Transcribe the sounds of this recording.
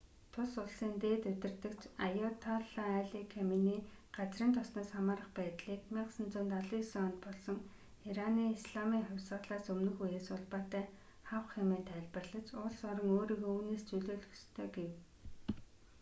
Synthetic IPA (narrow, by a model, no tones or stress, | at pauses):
t̪ʰʊɮʊɮsiːnt̪eːt̪ɵt̪ɪ̆rt̪ɘ̆kt͡ɕʰajʊt̪ʰaɮaæɮikʰeminiːɢ̥at͡sriːnt̪ʰɔsnɔːsχamaːɾə̆χpæːt̪ɮiːkmiɴqsə̆nt͡sʊːnt̪aɮiːsɔnt̪̚pɔɮsɞ̆ŋ | iɾaniːisɮamiːŋχʊwʲsə̆ɮaːsɵmnɵ̆xujeːsʊɮpaːt̪æː | χawχemeːnt̪ʰæːɮpə̆rɮə̆t͡ɕʊɮsɔɾɞ̆ŋoːɾiːɣouːneːst͡sɵɮoːɮɵ̆xst̪ʰœːɡew